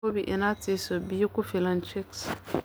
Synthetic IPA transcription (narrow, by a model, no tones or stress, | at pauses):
obiʔinat͡sisobikufilant͡ʃeks